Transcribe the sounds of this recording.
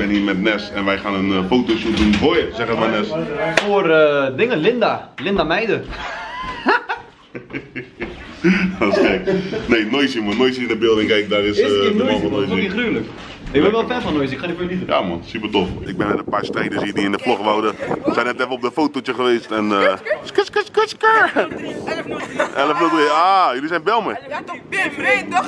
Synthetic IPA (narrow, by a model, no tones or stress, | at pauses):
bɪniːmɛtnɛsɛnʋɛjxaːnənfowtoʃut̚dunfojəsɛχətmanɛsfoərədɪŋəlɪndalɪndamɛjdə | astɛkneːnojsiəmɔnojsiənəbɪlˠdɪŋkɛjk̚darɪsəmɔɔnojsiryələk | ɪkbɛnʋɛlˠfɛfɔnojsɪkχanifojəlitəja̰ːmɔnsypərtofɪk̚bɪnɪnəpaːrstrejdəsiːdiɪndəfloχʋawdəsɛjnɛtɛfəɔp̚dəfowtotjəχəʋeːstɛnəskəskəskəskə | ʔɛləfnodreaːjəlisɛjnbɛlˠmaj